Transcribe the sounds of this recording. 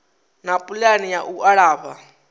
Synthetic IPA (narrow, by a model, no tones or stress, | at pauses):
napʼulanijaʔuʔaɺaːβa